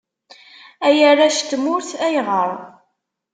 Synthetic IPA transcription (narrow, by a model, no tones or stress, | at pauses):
æjərˤːaʃt̪mʊɾθæjʁəɾˤ